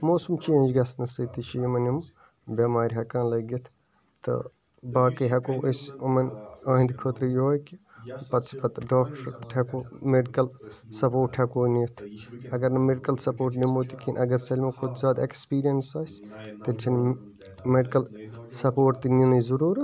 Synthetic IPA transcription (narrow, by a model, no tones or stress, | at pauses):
moːsumt͡ʃʰiɐ̃nd͡ʒɡɐsnɐsɨt̪it͡ʃʰijimɐnim | bʲɐmaːɾʲɦɐkãːnlɐɡit̪ʰ | t̪ɨ̰ | baːkɨɦɐkoːʔesʲɐmɐnãːɦĩnd̪kʰot̪ɾijojki | pɐt̪sʰi̥pɐt̪ɖoːk̚ʈɐɾʈʰekoːmeɖikɐlsɐpoːʈʰekoːniɐt̪ʰɐɡɐɾnɐmeɖikɐlsɐpoːɾʈnimoːt̪ikʰinʲʔɐɡɐɾsɐlʲmekʰud̪zaːd̪ekspiːɾijɐnsaːsʲ | t̪ilʲt͡ʃʰin | meɖikɐlsɐpoːʈt̪inilizuɾuːɾ